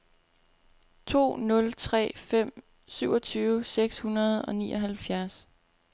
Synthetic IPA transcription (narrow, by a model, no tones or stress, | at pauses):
t͡sʰo̝̰ːnɔ̽lt͡sʰʁɛ̰ːfem̰ | syʊ̰ɒ̽t͡sʰyːʊseɡ̥shunɐð̞ˠɒ̽nḭːʔɒ̽ɦælfjæɐs